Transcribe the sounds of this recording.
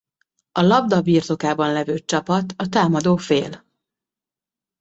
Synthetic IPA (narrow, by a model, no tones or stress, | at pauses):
ɒlɒbd̪ɒbiːrt̪o̞kaːbɒnlɛvøːt͡ʃɒpɒt̪ɒt̪aːmɒd̪oːfḛːl